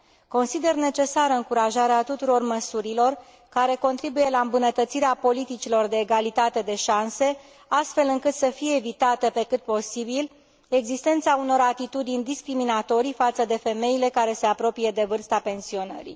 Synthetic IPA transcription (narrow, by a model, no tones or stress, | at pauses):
ko̞nsid̪e̞rne̞t͡ʃe̞saɾəɨŋkuɾaʒaɾeat̪ut̪uɾo̞rməsuɾilo̞r | kaɾe̞ko̞nt̪ɾibuje̞laɨmbunət̪ət̪siɾeapo̞lit̪it͡ʃilo̞rd̪e̞ːɡalit̪at̪e̞d̪e̞ʃanse̞ | ast̪fe̞lɨŋkɨt̪səfijeːvit̪at̪epe̞kɨt̪̚po̞sibil | e̞ɡzist̪e̞nt̪sauno̞ɾat̪it̪ud̪inʲd̪iskɾiminat̪o̞ɾifat̪səd̪e̞fe̞me̞ile̞kaɾe̞se̞apɾo̞pije̞d̪e̞vɨrst̪ape̞nsio̞nə̰ɾḭ